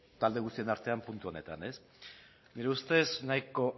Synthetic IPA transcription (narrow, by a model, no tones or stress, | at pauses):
t̪ald̪e̞ɣ̞ust̪ie̞naɾt̪e̞ampunt̪uo̞ne̞t̪ane̞s | niɾe̞ust̪e̞snajko̞